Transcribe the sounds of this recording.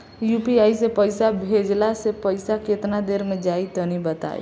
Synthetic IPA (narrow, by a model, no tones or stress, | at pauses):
jupiajsẽpəjsabʱed͡ʒlasepəɪsaket̪nad̪eɾmed͡ʒait̪ɔnibət̪a̰ḛ